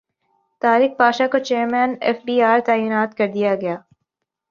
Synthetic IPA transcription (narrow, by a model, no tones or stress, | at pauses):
t̪aːɾɪk̚paːʃakot͡ʃeːɾmɛ̃ːnɛ̰ːfbiːaːɾt̪aːjiːnaːt̪kɐɾd̪ijaɡɐjaː